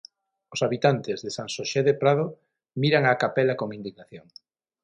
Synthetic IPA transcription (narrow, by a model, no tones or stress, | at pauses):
osaβit̪ant̪ezðesaŋsoʃeðepɾað̞o | miɾaŋakapɛlakoŋĩnd̪iɣnaθjoŋ